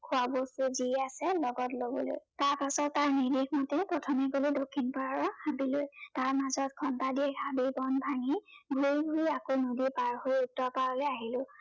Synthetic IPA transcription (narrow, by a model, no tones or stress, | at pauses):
kʰʊabostuziasɛlɔɡɔtlobɔ̰lo̰jtaɹpasɔtːaɹnidexmɔtɛpɹɔtʰɔmɛɡolodokʰːinpaɹaɹɔhabilojtaɹmazɔtkʰɔntadiɛɡʰʱabibɔnbʱaŋiɡʱuiɡʱuɹiakonodipaɹhojuk̚tɔpaɹɔlejaɦilʊ̃